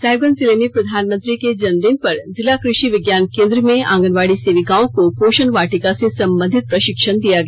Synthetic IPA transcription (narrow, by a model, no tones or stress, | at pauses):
saːjoɡənzɪlemẽpɾɐd̪ʱaːnmə̃nt̪ɾiked͡ʒɐnɾɪŋ̚pɐɾzɪlakɾɪʃiʋɪɡjaːnkẽːnd̪ɾəmẽã̰ːŋɡənʋaːɽiseːʋiɡãːõkopoːʃənʋaːʈikasesɐ̃mbə̃nd̪ʱɪt̪̚pɾɐʃɪkʃənd̪ijaɡəja